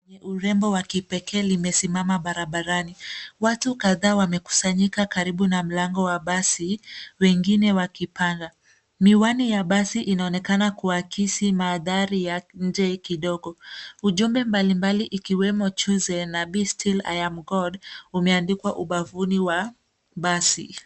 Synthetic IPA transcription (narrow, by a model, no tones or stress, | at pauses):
ɲɛʔuɾɛmbɔwakipɛkʰɛːlimɛsimamaɓaɾaɓaɾaniwatukaðaːwamɛku̥saɲikakaɾiɓunam̩laŋɡɔwaɓasiwɛŋɡinɛwakipanda | miwanijaɓasiʔinaɔnɛkanakuakʰisimaːðaɾijaɲ̩d͡ʒɛkiɗɔɡɔuʄumbɛmbalimbaliʔikiwɛmɔt͡ʃuzɛnaɓistʰila̰jamɡɔdumɛandikwaʔuɓavuniwa | ɓasi